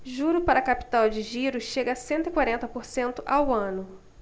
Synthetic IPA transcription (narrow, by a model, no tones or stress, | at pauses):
ʒuɾʊpaɾɐkapi̥t̪awd͡ʒɪʒiɾʊʃeɡɐsẽnt̪ʊɪkwaɾẽnt̪ɐpoɾsẽnt̪ʊʔawɐ̃nʊ